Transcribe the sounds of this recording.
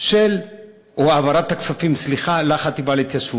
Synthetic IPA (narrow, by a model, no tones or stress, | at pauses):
ʃel | oavaɾat̪ːakt͡safimsliχalaχat̪ibalet̪jaʃu